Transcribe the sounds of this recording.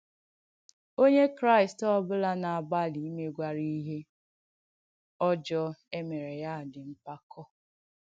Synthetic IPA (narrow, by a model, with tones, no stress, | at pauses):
o˦ɲe˦kɾa˦ɪ˨stɔ˦bʊ˦la˦na˨a˨ba˦˨li˨˦me˦ɡʷa˨ɾi˦i˦ɦe˦ | ɔ˦d͡ʒɔ˦e˦me˨ɾe˨ja˦˨dɪ˨m̩˦pa˦kʰɔ˦